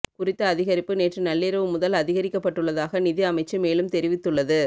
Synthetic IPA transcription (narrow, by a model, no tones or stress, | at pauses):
kʊrɪt̪ːɐːðɪɣɐɾɪpːɯneːʈrɯnɐlːɪɾɐʋɯmʊðɐlɐðɪɣɐɾɪkːɐpːɐʈːɯɭːɐðaːɣɐnɪðiɐmɐɪt͡ʃːɯmeːlɯmt̪ɛɾɪʋɪt̪ːɯɭːɐðɯ